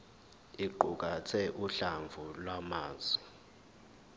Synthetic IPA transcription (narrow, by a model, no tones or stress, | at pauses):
iǃuk̬ʼat͡sʰɛʔuɬaɱvʱulwamaːzɔ